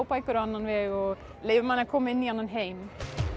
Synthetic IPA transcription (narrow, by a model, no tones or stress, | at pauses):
wpajkʏɾanːanvɛɔɣ | lejvɪmaːnːakʰɔːmaɪnːianːanɦejm